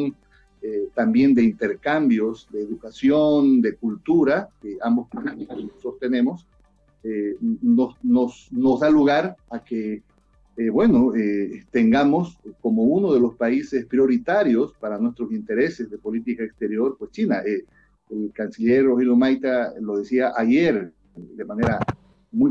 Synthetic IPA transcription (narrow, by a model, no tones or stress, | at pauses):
n | et̪ambje̞nd̪e̞int̪e̞ɾkambjo̞sd̪eːðukasjo̞nd̪e̞kult̪uɾakeambospassost̪e̞ne̞mo̞s | enosnosno̞zðaluɣaɾake | bwe̞noet̪e̞ŋɡamo̞sko̞mo̞uno̞ðe̞lo̞spaisespɾjo̞ɾit̪aɾjo̞spaɾanwest̪ɾosint̪e̞ɾe̞se̞zðe̞po̞lit̪ikaekst̪e̞ɾjo̞ɾpwest͡ʃinaʔe | elkansiʎe̞ɾːoxiljomajt̪alo̞ðe̞siaʔaʝeɾ | ed̪emane̞ɾa | muj